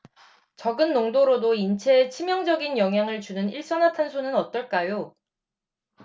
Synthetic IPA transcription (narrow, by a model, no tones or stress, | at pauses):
t͡ɕʌɡɯnːoŋdoɾodoint͡ɕʰe̞ːt͡ɕʰimjʌŋd͡ʑʌɡinjʌŋɦjaŋɯɭt͡ɕunɯniɭs͈ʌnatʰansʰonɯnʌt̚t͈ʌɭk͈ajo